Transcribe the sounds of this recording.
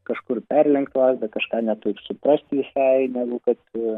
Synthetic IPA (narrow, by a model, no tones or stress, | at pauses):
kɐʃkʊrpʲærʲlʲɛŋkt̪ʋˠɑːzd̪ɐkɐʃkɑːnʲɛt̪oɪpsʊpɾɐsʲt̪ʲʋʲɪsɑɪnʲæːɡʊkɐt̪